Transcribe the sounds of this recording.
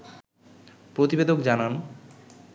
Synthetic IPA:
pɾot̪ibed̪okd͡ʑanan

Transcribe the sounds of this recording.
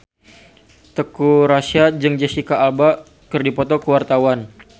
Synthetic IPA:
t̪əkuɾasiad͡ʒɨŋd͡ʒəsikaːlba | kərdipɔt̪ɔkəwart̪awan

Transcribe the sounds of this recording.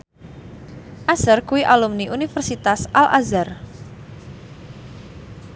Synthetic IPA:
ʔasərkuwiʔalumniʔunifərsit̪asʔalʔa̰zar

